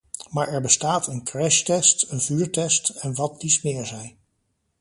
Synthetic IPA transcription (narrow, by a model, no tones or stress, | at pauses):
maːɹʔɛɹbəstaːtʰənkrɛʃtɛstənvyːɹtɛstɛnʋɑt̚dismɪːɹzɛj